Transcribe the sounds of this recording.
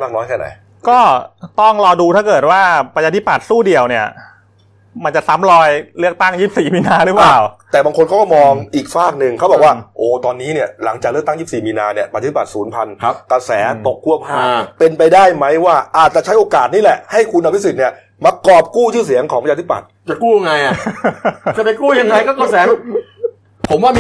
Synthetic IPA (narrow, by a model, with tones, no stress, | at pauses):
maː˥˩k̚nɔː˦˥jkʰɛː˥˩na̰˨˦j | kɔː˥˩t̪ɔ˥˩ŋɾɔː˧duː˧t̪ʰa˥˩kɤː˨˩t̪̚waː˥˩pɾa˧jʰaː˧t̪ʰi˦˥˩pa˨˩t̪̚suː˥˩di˨˩əwni˥˩ɐ | ma˧nt͡ɕa˨˩sa˦˥mɾɔː˧jlɯ˥˩ək̚t̪a˥˩ŋjiː˥˩p̚siː˨˩miː˧naː˧ɾɯː˩˦˥plaː˨˩wt̪ɛː˨˩baː˧ŋkʰo˧nka˦˥˩kɔː˥˩mɔː˧ŋʔiː˨˩k̚faː˥˩k̚nɯ˧ŋkʰa˦˥wbɔ˨˩kwaː˥˩ʔoː˨˩t̪ɔː˧nːiː˦˥ni˥˩ɐla˩˦ŋt͡ɕa˨˩klɯ˥˩ək̚t̪a˥˩ŋji˥˩p̚siː˨˩miː˧naː˧ni˥˩əpʰa˧˥˩pa˨˩suː˩˦npʰa˧nʰ˦ka˧sɛː˩˦t̪o˨˩kʰːu˥˩ɐpʰaː˥˩pe˧npa˧jdaː˥˩jma˦˥jwaː˥˩ʔaː˨˩t̪̚t͡ɕa˨˩t͡ɕʰjʔoː˧kaː˨˩t̪̚niː˥˩lɛ˨˩ʔha˥˩jkʰu˧nʔa˧w̪ʰsi˨˩ni˥˩ɐ | ma˧kɔː˨˩p̚kuː˥˩t͡ɕʰɯː˥˩s̬i˩˦əŋkʰɔː˩˦ŋpʰːt̪ʰpa̰˨˩t̪̚t͡ɕa˨˩kuː˥˩ja˧ŋa˧jʔa˨˩ | t͡ɕa˨˩pe˧kuː˥˩ja˧ŋːa˧jkɔː˥˩ka˧˩sɛː˨˦ | pʰo˩˦mwaː˥˩